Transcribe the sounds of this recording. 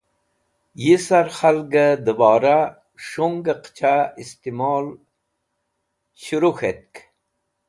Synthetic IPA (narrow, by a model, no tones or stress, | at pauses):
jisaɾxalɡəd̪əbɑːɾa | ʂuŋɡəqt͡ɕʰaist̪imɑːl | ɕuɾuxet̪̚k